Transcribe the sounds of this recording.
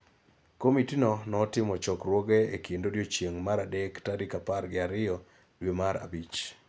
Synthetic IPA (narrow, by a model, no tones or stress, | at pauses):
komitinɔnɔːtɪmɔt͡ʃɔkrwoɡeekendodjot͡ʃjeŋmaɾadektadikaparɡɪaɾɪjɔ | dwemaɾa̰bit͡ʃ